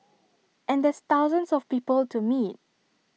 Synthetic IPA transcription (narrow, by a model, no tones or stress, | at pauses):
ʔɛ̃ndɛst̪aʊzə̃nsɔfpiːpəltumit̚